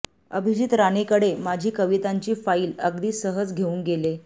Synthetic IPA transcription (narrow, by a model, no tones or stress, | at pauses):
ə̰bʱid͡ʑit̪ɾanekəɽemad͡ʑʱiːkəʋit̪aɲt͡ɕiːfaiːləɡd̪iːsəɦəd͡zɡʱeuːnɡele